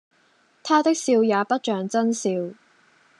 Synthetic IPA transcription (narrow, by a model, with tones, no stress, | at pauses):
t̪ʰaː˥t̪ɪ˥k̚siː˧wjaː˨˧pɐ˥t̚t͡ʃœː˨ŋt͡sɐ˥nsiː˧w